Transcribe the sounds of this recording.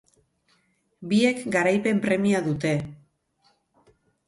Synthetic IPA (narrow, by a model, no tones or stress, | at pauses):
bie̞kɡaɾajpe̞mpɾe̞miaðut̪e̞